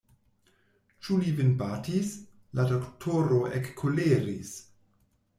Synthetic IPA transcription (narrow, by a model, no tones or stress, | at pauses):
t͡ʃulivɪnbatis | ladoktʰoɾoʔekʰːoleɾis